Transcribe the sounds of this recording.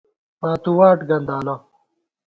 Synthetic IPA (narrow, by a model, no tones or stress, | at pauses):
paːt̪uwaːʈɡɐnd̪aːlɐ